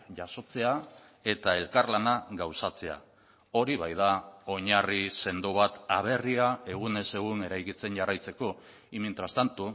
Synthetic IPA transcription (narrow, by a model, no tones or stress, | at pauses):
ʝaso̞t͡se̞a | e̞t̪ae̞lkarlanaɡawsat͡se̞a̰ | o̞ɾiβajðao̞ɲarise̞nd̪uβ̞at̪aβ̞e̞riae̞ɣ̞une̞se̞ɣ̞une̞ɾajkit͡se̞nʝarajt͡se̞ko̞ | imint̪ɾast̪ant̪u